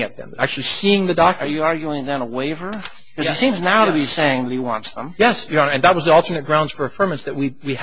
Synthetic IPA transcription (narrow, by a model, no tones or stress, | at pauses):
ŋɨt̪̚ðɨ̰̃mæk̚t͡ʃʉl̩ˠisiɪ̃ŋðɨdɑk̚tə˞jɨɑɹɡjuɪ̃ŋðɨ̃nəweɪvə˞ | kʰʌzsĩmznaʊɾɨbiseɪɪ̃ŋðɨt̚hiwɑ̰̃ntsðə̃mjɛsjɨ̃nɨ̃nðət̚wʌzðiɔlˠtʰə˞nɨt̚ɡ̥ɹãʊ̃nd̥fə˞ɨfɜ̃˞mɨ̃nsðɨt̚wiwi